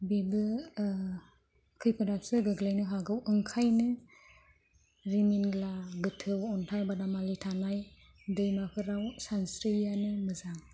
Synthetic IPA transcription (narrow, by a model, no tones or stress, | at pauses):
bebɯ | kʰɯjpʰɯdasɯɡɯɡlajnɯɦaɡɯwɯŋkʰajnɯ | ɾiminɡlaɡɯtʰɯwɔntʰajbadamalitʰanaj | dɯjmakʰɯɾawsansɾijanɯmɯzaŋ